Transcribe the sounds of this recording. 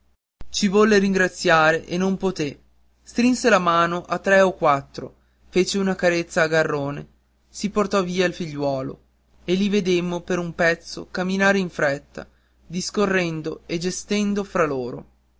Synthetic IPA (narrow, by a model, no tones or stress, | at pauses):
t͡ʃivɔlːeɾiŋɡɾat̪sːjaːɾeʔenːompot̪e | st̪ɾinselamaːnoʔat̪ːɾɛokwat̪ːɾo | fet͡ʃeunakaɾet̪sːaːɡarːoːne | siport̪ɔviːailfiʎːwɔːlo̰ | elːived̪emːopeɾumpɛt̪sːo̰kamːinaːɾeiɱfɾɛt̪ːa̰ | d̪iskorːɛnd̪oed͡ʒest̪end̪ofɾaloːɾo̰